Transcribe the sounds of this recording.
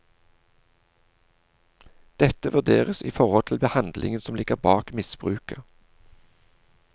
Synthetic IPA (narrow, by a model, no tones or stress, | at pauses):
d̪̥ɛt̪əʋʉʁd̪eːʁəsḭːfɔʁɔlt̪ʰɪlbəhɑnd̪lʔɪ̰ŋənsɔmlɪɡəʁbɑːkmɪsb̥ʁʉ̰ːkə